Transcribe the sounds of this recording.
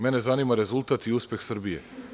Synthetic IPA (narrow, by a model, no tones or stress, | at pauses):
mene̞zaniːmaɾe̞zulˠt̪aːt̪iuspʲe̞xsr̩bijḛ